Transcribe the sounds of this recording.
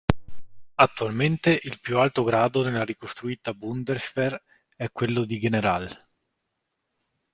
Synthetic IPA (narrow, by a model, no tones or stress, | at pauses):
at̪ːualment̪eʔilpjualt̪oɡɾaːd̪onelːaɾikost̪ɾuiːt̪abund̪ersfer | ɛkːwelːod̪iɡeneɾal